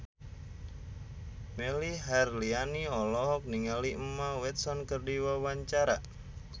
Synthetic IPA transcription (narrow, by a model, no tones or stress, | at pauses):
meliɦarlianiɔlɔɦɔk̚niŋaliʔmːawɛt̪̚sɔnkərdiwawaɲt͡ʃaɾa